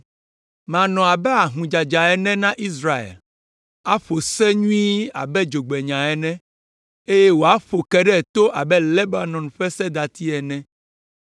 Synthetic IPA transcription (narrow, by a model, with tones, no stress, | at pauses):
mã˨nɔ̃˨a˨bɛ˦a˨ɦũ˨d͡ʒa˨d͡ʒa˨ɛ˨nɛ̃˦nã˦ʔi˦s̬ɾa˦ḛ˨l | a˦ɸo˨sɛ˦ɲũ˦i˦a̰˨bɛ˦d͡ʒo˨ɡ͡bɛ˨ɲã˨ɛ˨nɛ̃˦ | e˦je˦wo˨a˦ɸo˨kɛ˦ɖɛ˦˨t̪o˦ʔa˨bɛ˦le˦ba˨nɔ̃˨nɸɛ˦sɛ˦d̪a˨t̪i˦ɛ˨nɛ̃˦